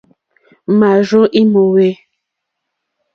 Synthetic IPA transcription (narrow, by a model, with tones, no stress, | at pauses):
ma˨ʒo˦ʔi˦mo˨we˦